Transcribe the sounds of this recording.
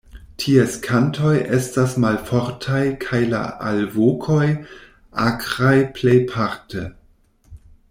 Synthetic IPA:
tʰieskʰantʰo̞jʔestasmalfo̞ɾtʰajkʰajla̰ʔa̰lvokʰo̞j | ʔakɾajplejpʰaɾtʰe

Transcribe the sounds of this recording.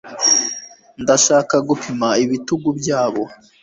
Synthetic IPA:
ndaʃaːkaɡupʰimaiβituɡubjaːβo̞

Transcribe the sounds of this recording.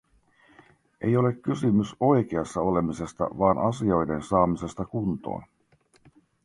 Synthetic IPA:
ʔe̞jo̞le̞kːysymyso̞jk̟e̞ɑsːɑo̞le̞mise̞st̪ɑ̰ʋɑːnʔɑsio̞jde̞nsɑːmise̞st̪ɑkunt̪o̰ːn

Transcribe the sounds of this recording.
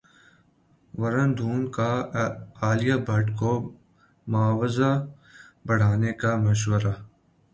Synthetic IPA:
ʋɐɾənd̪ʱuːnka | aːlijabʱɐʈko | mʊaːʋza | bɐɽ̤aːnekamɐʃ̬wəɾaː

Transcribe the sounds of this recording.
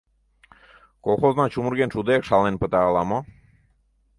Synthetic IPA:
kɔlˠxɔznat͡ʃumuɾɡent͡ʃud̪eakʃalˠenpət̪aːlˠamɔ

